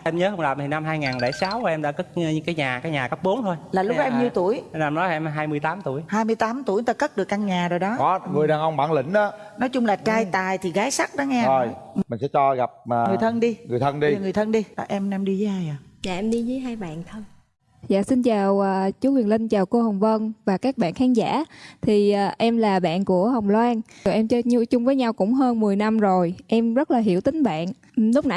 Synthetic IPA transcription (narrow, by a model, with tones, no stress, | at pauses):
ʔɛ˧mɲəː˨˦ɦə˧wŋ͡mɗa˨˩mt̪ʰi˨˩na˧mɦaː˧jŋaː˨˩nle˧˩saː˨˦wkʔɛ˧mɗa̰ː˧˥kə˦˥k̚ɲɨ˧ŋkaː˨˦jɲaː˨˩kaː˨˦jɲaː˨˩kə˦˥p̚ɓo˨˦nt̪ʰo˧jlaː˨˩lʊ˦˥k͡p̚ʔɛ˧mɲi˧ət̪u˧˩əjnː˧˨˧mnɔ˨˦t̪a˨˩ʔɛ˧m˨˩ɦaː˧jmɨ˧əjt̪aː˨˦mt̪u˧˩əjhaː˧jmɨ˧jt̪aː˨˦mt̪u˧˩əjn˦t̪ːkə˦˥t̚ɗɨ˨˩ək̚ʔa˧ŋɲaː˨˩zo˨˩jɗɔ˨˦kɔ˨˦ŋɨ˨˩əjɗaː˧ŋʔə˧wŋ͡mɓaː˧˩nlï˧˩˦ŋ̟ʔaː˨˦nɔ˨˦jt͡ɕʊ˧ŋ͡mlaː˨˩t͡ɕaː˧jt̪aː˨˩jt̪ʰi˨˩ɣaː˨˦jsa˦˥k̚ɗɔ˨˦ŋɛ˧o˧˨˩jmï̟˨˩sɛ̰˧˥t͡ɕɔ˧ɣa˨˩p̚maː˨˩ŋɨ˨˩əjt̪ʰə˧nɗi˧ŋɨ˨˩əjt̪ʰə˧nɗi˧ŋɨ˨˩əjt̪ʰə˧nɗi˧a˨˩ʔɛ˧mɛ˧mɗi˧zəː˨˦jhaː˧jʔa˨˩zaː˨˧˨ʔɛ˧mɗi˧zə˨˦jɦaː˧jɓa̰ː˧˨nt̪ʰə˧n | za̰ː˧˨si˧nt͡ɕaː˨˩wʔəː˨˩t͡ɕu˨˦kwi˨˩ənlï˧ŋt͡ɕaː˨˩wko˧hə˨˩wŋ͡mvə˧nvaː˨˩kaː˦˥k̚ɓa̰ː˧˨nxaː˨˦nza̰ː˧˥t̪ʰi˨˩ʔːʔɛ˧mlaː˨˩ɓa̰ː˧˨nku˧˩əhə˨˩wŋ͡mlwaː˧n˩ʔɛ˧mt͡ɕt͡ɕʊ˧ŋ͡mvəː˨˦jɲa˧wkʊ̰˧˥ŋ͡mɦəː˧nmɨ˨˩əjna˧mzo˨˩jʔɛ˧mzə˦˥t̚laː˨˩ɦi˧˩əwt̪ï˨˦ŋ̟ɓa̰ː˧˨n | lʊ˦˥k͡p̚na˧˩˨